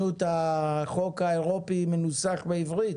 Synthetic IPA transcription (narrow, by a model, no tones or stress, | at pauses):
ut̪aχokaeʁopimenut͡saχbeivʁit